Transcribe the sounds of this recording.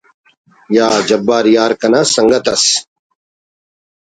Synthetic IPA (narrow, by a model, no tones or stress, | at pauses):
jaːd͡ʑɐbːaːɾjaːɾkɐnasɐŋɡɐt̪ɐs